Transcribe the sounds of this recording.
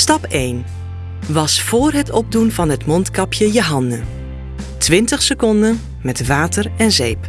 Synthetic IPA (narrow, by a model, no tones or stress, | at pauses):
stɑpejn | ʋɑsfoːrɦətʰɔb̚dunvɑnɦətmɔntkɑpʰjəjəɦɑndə | tʰʋɪntəχsəkɔndən | mɛtʋaːtərɛnzejp